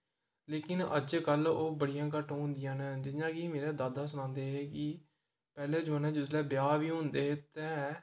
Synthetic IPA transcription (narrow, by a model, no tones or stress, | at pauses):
leːkɪnəd͡ʒkəloːbəɽɪjãːk̬əʈɦʊ̃nd̪ɪjãːneːd͡ʒɪnãːkimeːɾɛːd̪aːd̪aːsʊnãːnd̪eːɦɛːkɪ | pɛːleːd͡ʒəːnɛ̃ːd͡ʒʊslɛːbɪjaːʋiːɦʊ̃nd̪eːɦt̪ɛ̃ː